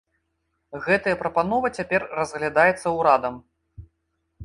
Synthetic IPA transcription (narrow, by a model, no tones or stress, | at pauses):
ɣɛt̪ɐjɐpɾɐpanɔvɐt͡sʲapʲɛrːɐzɣlʲad̪ajɛt̪sːɐwɾad̪ɐm